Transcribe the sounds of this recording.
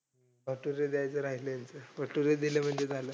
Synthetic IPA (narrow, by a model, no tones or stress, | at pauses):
əʈuɾed̪eajt͡səɾaɦiləjant͡səʋəʈuɾed̪ilem̤əɳd͡zed͡zʱalə